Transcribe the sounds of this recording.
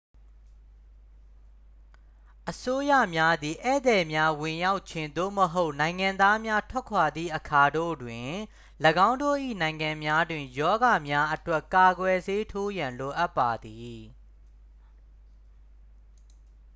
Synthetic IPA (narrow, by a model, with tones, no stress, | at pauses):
ʔəso˦ja̰˦˨mja˦d̪i˨ʔɛ̰˦˨d̪ɛ˨mja˦wɪ̃˨ja˦ʊʔt͡ɕʰɪ̃˨nd̪o̰˦˨məɦo˦ʊʔnã˨ɪ̃ŋã˨nd̪a˦mja˦tʰwɛ˦kʰwa˨d̪ðḭ˦˨ʔəkʰa˨do̰˦˨dwɪ̃˨ | ləɡã˦ʊ̃ndo̰˦˨ʔḭ˦˨nã˨ɪ̃ŋã˨mja˦dwɪ̃˨jɔ˦ɡa˨mja˦ʔətwɛ˦ʔka˨ɡwɛ˨ze˦tʰo˦jã˨nlo˨ʔa˦pːa˨d̪i˨